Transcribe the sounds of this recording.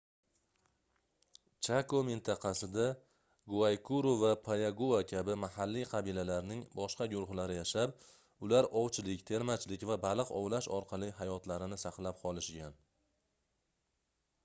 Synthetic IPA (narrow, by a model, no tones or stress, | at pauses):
t͡ʃʰakomɪnt̪ʰɑqʰɑsɪd̪a | ɡuajkʰuɾovapʰajaɡuvakʲʰabɪmahalːiqʰɑbilalaɾnɪŋbɒʃqɑɡʲʊɾʊχlaɾɪjaʃap | ʊlaɾɒwt͡ʃʰɪlɪkʲt̪ʰe̞ɾmat͡ʃlɪkʲvabalˠɨqɒ̰wlaʃɒɾqʰɑlˠiɦajɒt̪laɾɪnɪsɑqlˠap̚qʰɒlˠɪʃɡʲan